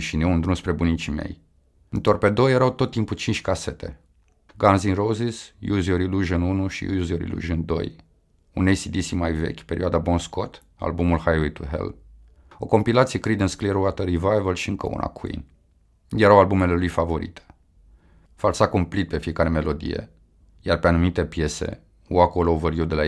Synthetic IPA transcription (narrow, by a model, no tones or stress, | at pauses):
ʃineund̪ɾunspɾe̞bunit͡ʃime̞̰j | ɨnt̪orpe̞d̪o̞jeɾawt̪o̞t̪ːimput͡ʃint͡ʃʲkase̞t̪e̞̰ | ɡanzinɾozisjuzioɾiluʒɨnunuʃḭjṵjuzioɾḭlṵʒɨnd̪o̞̰j | ṵnejsid̪isimajve̞̰kʲpe̞ɾʔḭad̪abonsko̞t̪ | a̰lbumulhajwit̪uɦḛl | o̞ko̞mpilat̪sijekɾid̪ənskleɾuwat̪əɾivajvəlʃiɨŋkə̰ṵna̰kʰuḭn | jeɾawalbume̞le̞lujfavo̞ɾḭt̪ʰe̥ | falsakumplit̪̚pe̞fije̞kaɾe̞me̞lo̞d̪ḭjḛ | jarpeanumit̪e̞pje̞se̞̰ | uakolovərjowd̪e̞la